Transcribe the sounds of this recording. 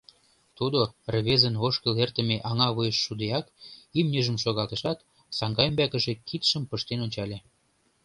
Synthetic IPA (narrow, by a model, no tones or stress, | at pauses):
t̪ud̪orβezənoʃkə̆lert̪ə̆meʔɑŋɑβujəʃːud̪ejɑkimnʲəʒə̆mʃoɣɑlt̪əʃɑt̪ | sɑŋɡɑjəmbækə̆ʒekʰit̪ʃəmpəʃt̪enonʲt͡ɕɑlʲe